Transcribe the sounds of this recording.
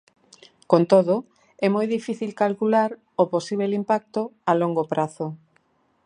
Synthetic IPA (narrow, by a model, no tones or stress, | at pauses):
kont̪oðo | ɛmojðifiθilkalkulaɾ | oposiβ̞elimpak̚t̪oaloŋɡopɾaθo